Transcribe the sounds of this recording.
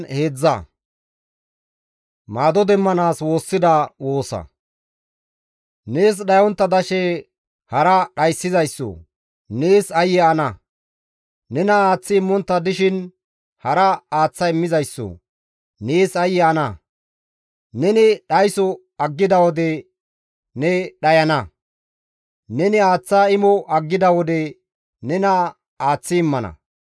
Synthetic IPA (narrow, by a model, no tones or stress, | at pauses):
he̞ːd͡zːɐ̰ | maːd̪ɔd̪ɛmːɐnaːswo̞ːsːɪd̪ɐwo̞ːsɐ̰ | ne̞ːs̬ɗɐjɔnt̪ːɐd̪ɐʃɛ | hɐɾɐɗɐjsːɪzɐjsːɔ̰ | neːsɐjɛɐnɐ | nɛnɐaːt͡sːɪːmːɔnt̪ːɐd̪ɪʃɪn | hɐɾɐaːt͡sːɐɪmːɪzɐjsːɔ̰ | neːsɐjɛɐnɐ | nɛnɪɗɐjsɔ | ɐɡːɪd̪ɐwɔd̪ɛ | nɛɗɐjɐnɐ | nɛnɪaːt͡sːaːɪmɔʔɐɡːɪd̪ɐwɔd̪ɛ | nɛnɐ | aːt͡sːɪːmːɐnɐ̰